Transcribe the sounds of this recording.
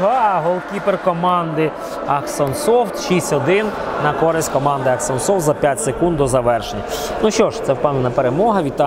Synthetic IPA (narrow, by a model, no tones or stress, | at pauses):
ɦɑɦɔlˠkʲiperkɔmɑnd̪ɪ | ɐksɔnsɔwt̪ʃisʲtʲɔd̪ɪnnɐkɔɾɪsʲtʲkɔmɑnd̪ɪɐksɔnsɔwt̪zɐpʲjatʲsekund̪d̪ɔzɐʋɛrʃenʲːɐ | nuʃt͡ʃɔʃt̪sɛwpɑnenɐpeɾemɔɦɐʋʲit̪ːɑ